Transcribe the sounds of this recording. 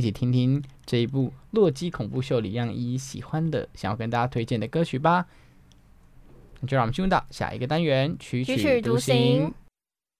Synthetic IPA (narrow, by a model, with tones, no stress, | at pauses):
t͡ɕʰi˨˩t̪ʰi˥ŋt̪ʰi˥ŋʈ͡ʂɤ˥˩i˧˥pu˥˧lwɔ˥˩t͡ɕi˥kʰʊ˨˩ŋpu˥˧ɕ̬jo˥˩ʊlḭ˨˩jɑ˥˩ŋi˧˥ɕḭ˨˩xwa˦˥nd̪ə̰˨ɕŋjɑ˥˧˩kə˥nt̪a˥˧t͡ɕja˥˧t̪ʰwe˥ɪt͡ɕjɛ˥˩nd̪ə˩kɤ˥t͡ɕʰy˨˥˩ba˨ | na˥˩t͡ɕo˥˧ɻt̪ɑ̰˥˨˩ʊɕja̰˨˩ʔḭ˧˥ɡə˧t̪a˥nɥɛ˧˥nt͡ɕʰy˧˥t͡ɕy˨t̪u˧˥ɕi˧˥ŋ